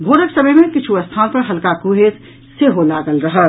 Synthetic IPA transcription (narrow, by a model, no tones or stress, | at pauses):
bʱoːɾəksəbəjmẽkɪt͡ʃʰuɐst̪ʰaːõpɐɾɦɐlkakuɦed͡ʒ | seɦolaːɡəlɾɐɦə